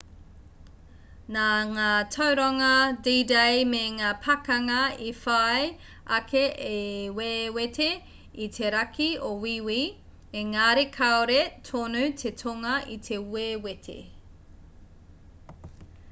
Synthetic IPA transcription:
naŋaːtʰɐwɾaŋɐdidejmeŋaːpʰɐkɐŋɐifaj | ʔɐkʰeʔewewetʰe | itʰeɾɐkʰiowiwi | eŋaːɾekʰɐoɾetʰonʉt̪ʰetʰoŋɐʔit̪ʰe̞wewetʰḛ

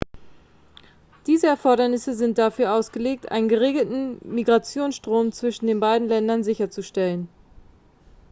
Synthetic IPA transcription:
d̥iːzəɛɐfɔɐɾɐnɪsəzɪnt̚d̥afyːɐʔaʊsɡ̥əleːk̚tʔa̰ɪnənɡəʁ̞eːɡl̩tn̩miɡʁat͡sjoːnsʃtʁ̥oːmt͡sv̥ɪʃn̩deːnbaɪdn̩lɛndɐnzɪçɐt͡suʃtɛlən

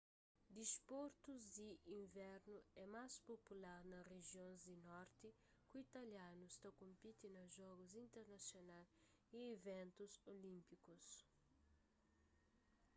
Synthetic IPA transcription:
d̪ispoɾt̪uzd̪iʔĩɱvɛɾnuɛmaspopulaɾnɐreʒjõnzd̪inɔɾt̪i | kuit̪ɐljanust̪ɐkõmpit̪inɐʒɔɡuzĩnt̪eɾnɐsjonal | ievɛ̃nt̪uzolĩmpikus

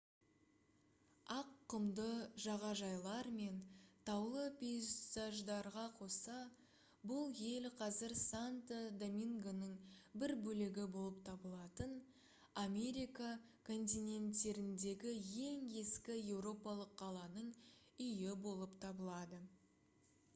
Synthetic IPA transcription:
ɑqːəmd̪əʒɑʁɑʒɑjlˠɑɾme̞nt̪ʰɑwlˠəpʲesaʒd̪ɑɾʁɑqʰo̞sɑ | bʊlˠje̞lqʰɑzɪɾsant̪ad̪omʲiŋɡonəɴbɪɾbɵlɪɡʲɪbo̞lˠəp̚t̪ʰɑbəlˠɑt̪ən | ame̞ɾijkakʰo̞nt̪̬ʲijnʲe̞nt̪ːe̞ɾɪnd̪e̞ɡʲɪje̞ŋe̞skʲɪje̞wɾo̞pɑlˠəqʰːɑlˠɑnəɴ | ʏjɪbo̞lˠəpt̪ʰɑbəlˠɑd̪ə

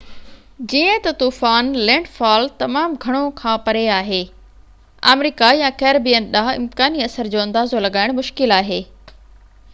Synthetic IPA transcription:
d͡ʑiːə̃t̪ɐt̪uːfaːnlɛ̃ːɳɖfaːlt̪ɐmaːmɡʱɐɽ̃okʰãːpɐɾeaːɦeː | a̰ːmɾiːkajãkɛːɾbijənɗaɦɪ̰mt̪kaːniɐsəɾd͡ʑoːɐ̃nd̪aːzolɐɡaːɪɽ̃mʊʃkɪlaːɦeː

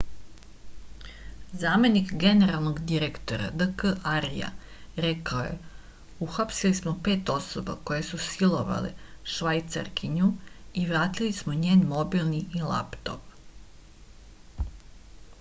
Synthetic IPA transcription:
zaːme̞nikɡe̞neɾalˠnoɡd̪iɾekt̪o̞ɾa̰d̪əkəʔaɾija̰ | ɾekaoje̞̰ | uxapsilismo̞pe̞ːt̪o̞so̞ba̰ko̞je̞susilˠoʋa̰lḛʃʋajt̪sa̰ɾkʰiɲuiʋɾaːt̪ilismoɲe̞ːnmo̞bilniilˠa̰pt̪o̞̰p

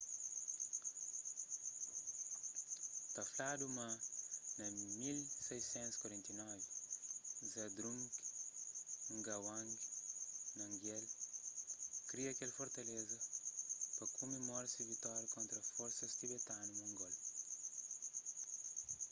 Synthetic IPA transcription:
t̪aflad̪umanɐmilsɛjsẽnt̪uskwaɾɛ̃nt̪inɔvi | zad̪ɾuŋk | ŋɡawãŋɡinɐŋɡel | kɾiɐkelɐfoɾt̪alezɐ | pɐkʰumemɔɾɐsivit̪aɾkõnt̪ɾɐfoɾsɐst̪ibet̪anumuŋɡol

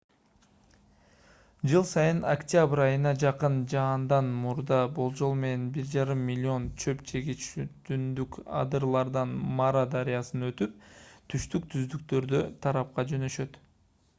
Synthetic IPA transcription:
d͡ʒɯlˠsɑjɯnakt̪ʲɪabɾɑjɯnɑd͡ʒɑqɯnd͡ʒɑːnd̪ɑnmuɾd̪ɑbolˠd͡ʒo̞lˠme̞ne̞nbiɾd͡ʒɑɾɯmːilʲːio̞nt͡ʃʰøpt͡ʃʰe̞ɡit͡ʃyt̪ynd̪ykɑ̰d̪ɯɾlˠɑɾd̪ɑnmɑɾad̪aɾijɑsɯnø̞t̪yp̚t̪ʰyʃt̪ykt̪ʰyzd̪ykt̪ø̞ɾd̪øt̪ʰɑɾɑp̚qɑd͡ʒø̞nø̞ʃø̞t̪

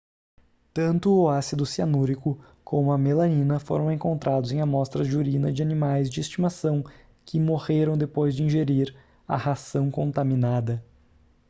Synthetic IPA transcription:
t̪ɐ̃nt̪ʊasid̪ʊsianuɾikʊ | kʰõmʊɐmelɐ̃nĩnɐfo̰ɾɐ̃w̃ẽŋkõnt̪ɾʔad̪ʊzẽj̃ɐmɔst̪ɾɐd͡ʒɪuɾĩnɐd͡ʒɪanimajzd͡ʒɪest͡ʃimasɐ̃w̃ | kɪmoʁeɾɐ̃w̃d̪epojzd͡ʒɪĩʒeɾiɾ | ɐ̰hasɐ̃w̃kõnt̪aminad̪ɐ

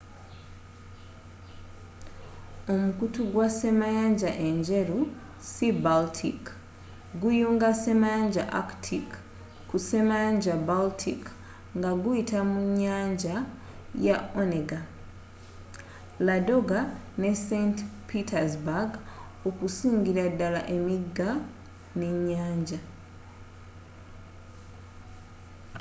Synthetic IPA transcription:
o̞mukutuɡwase̞majaːɲɟaʔe̞ɲɟe̞ɾu | sibaltʰik | ɡujuːŋɡase̞maɲɟa̰ʔa̰ktʰik | kːuse̞maɲɟabaltʰik | ŋɡaɡuitamuɲaːɲɟa | jaoneɡa | lado̞ɡa | ne̞sentpʰitazbaɡ | okusiːŋɡiɾadala̰ʔemiɡa | neɲaːɲɟa

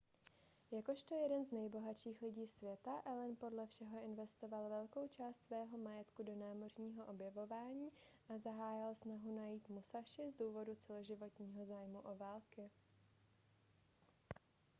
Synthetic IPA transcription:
jako̞ʃt̪o̞jɛdɛnznɛjbo̞ɦatʃiːxlɪɟiːsvjɛt̪aʔɛlɛnpo̞dlɛfʃɛɦo̞ʔɪnvɛst̪o̞valvɛlko̞wt͡ʃaːst̪svɛːɦo̞majɛt̪kudo̞naːmo̞rɲiːɦo̞ʔo̞bjɛvo̞vaːɲiːʔazaɦaːjɪlsnaɦunajiːt̪musaʃɪzduːvo̞dut͡sɛlo̞ʒɪvo̞t̪ɲiːɦo̞zaːjmuʔo̞vaːlkɪ

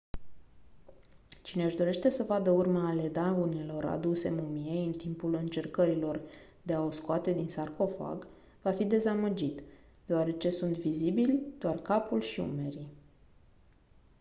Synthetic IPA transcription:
t͡ʃine̞ɨʃd̪o̞ɾe̞ʃt̪e̞səvad̪əurmaːle̞d̪aunelo̞ɾa̰d̪use̞mumiejɨnt̪impulɨnt͡ʃe̞rkəɾilo̞rd̪e̞ao̞skoat̪e̞d̪insarko̞fa̰ɡ | vafid̪e̞zaməd͡ʒit̪ | d̪̥eoaɾe̞t͡ʃe̞sunt̪vizibilʲd̪̥oarkapulʃiṵme̞ɾi

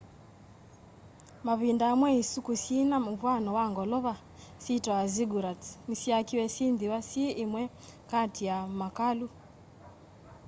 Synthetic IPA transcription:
maβindaːmwɛisukusinamuvwanɔwaŋɡɔlɔβa | sitɔaziɡuɾat͡smusiakiwɛsindiwasieʔemwɛ | katiamakalu

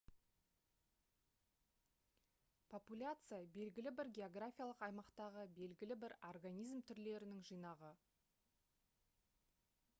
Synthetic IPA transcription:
pʰo̞pulʲat̪sɨjabe̞lɡʲɪlɪbɪɾɡʲe̞o̞ɡrafʲijalˠəqɑjmɑqt̪ɑʁəbe̞lɡʲɪlɪbɪɾorɡanʲijzmt̪ʰʏɾle̞ɾɪnɪŋʒijnɑʁə

